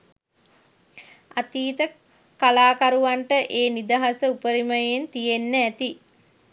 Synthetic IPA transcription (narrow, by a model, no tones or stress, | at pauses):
at̪iːt̪ə | kalaːkaɾuʋaɳʈəʔeːnid̪aɦasəupəɾiməjent̪ijenːəæt̪i